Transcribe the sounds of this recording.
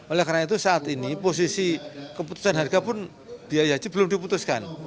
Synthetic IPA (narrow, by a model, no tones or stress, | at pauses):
ʔolɛhkarnait̪̬usaːt̪inipos̬isikəput̪u̥sanɦarɡapʊn | d̥iajad͡ʒibəlʊmdiput̪uskan